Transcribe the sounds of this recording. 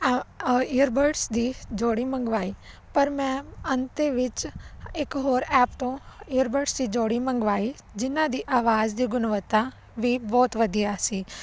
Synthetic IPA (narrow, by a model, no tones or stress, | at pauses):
ijəɾbəɾʈsd̪iːd͡ʒoːɽiːmə̃ŋɡʋaːi | pɐɾmɛ̃ːɐ̃nt̪eʋɪt͡ʃɪkɦoːɾɛːpt̪õɪjəɾbəɾʈsd̪iːd͡ʒoːɽimə̃ŋɡʋaːi | d͡ʒɪnãd̪iːʔaːʋaːd͡ʒd̪iːɡʊnʋət̪ːa | ʋiːbɔːt̪ʋɐd̪iaːsiː